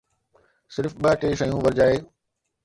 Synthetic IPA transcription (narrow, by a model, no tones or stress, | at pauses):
sɪɾfɓɐʈeːʃəijũːʋɐɾd͡ʑaːeː